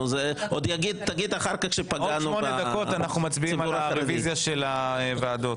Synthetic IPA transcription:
zeʔod̪jaɡid̪̚t̪aɡid̪aχaʁkakʃepaɡanumoned̪ako̞t̪anaχnumat͡sbiimallaʁevizjaʃelaevaːd̪ot̪

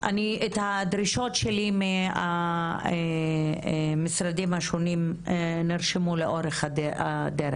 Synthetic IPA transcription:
ʔa̰niet̪had̪ɾiʃo̞tʃelimea̰e | misɾad̪imhaʃonimeniʁʃemuleʔo̞ɾeχadea̰d̪eɾḛ

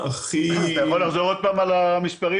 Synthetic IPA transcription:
aχionaχzoʁod̪̚paːmalamispaʁi

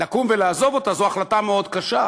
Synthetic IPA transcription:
lakumvelaːzo̞vo̞t̪azoaχlatameo̞d̪kaʃa

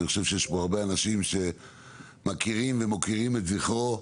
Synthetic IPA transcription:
niχo̞ʃe̞v̥ʃejeʃboaʁbeanaʃimʃe̞ | makiʁimvemokiʁimet̪ziχo

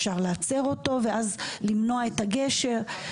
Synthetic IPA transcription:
ʃaʁleat͡se̞ʁo̞to̞veʔazlimno̞aetaɡe̞ʃe̞ʁ

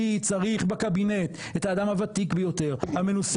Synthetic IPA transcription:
it͡saʁiχbekabine̞t̪ | et̪haːdamhavat̪ikbejo̞te̞ʁhamenus

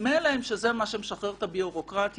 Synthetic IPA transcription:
melaemʃezemaʃemeʃaχeʁt̪abioʁokʁat̪

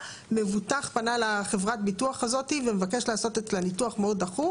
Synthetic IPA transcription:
me̞vutaχpanalaχevʁatbituaχazo̞tivemevake̞ʃlaːso̞t̪et͡slenituaχmeo̞d̪aχu

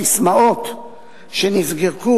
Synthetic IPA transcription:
ismaot̪ | ʃenizɡiʁku

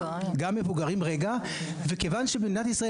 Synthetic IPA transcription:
ɡamːe̞vuɡaʁimʁeɡa | vekevanʃebedinat̪isʁae

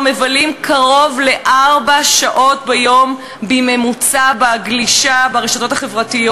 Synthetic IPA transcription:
me̞valimkʰaʁo̞vle̞ʔaʁbaʃaʔo̞tbejo̞m | bime̞mut͡sabaɡliʃabaʁeʃoto̞taχe̞vʁatijo

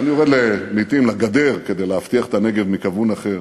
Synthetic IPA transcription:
anijoʁed̪lemit̪imlaɡad̪e̞ʁke̞d̪e̞jleaft̪iaχet̪ane̞ɡevmikavunaχe̞ʁ

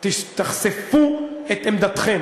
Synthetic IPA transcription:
t̪iʃt̪aχsefuet̪emd̪at̪χɛm

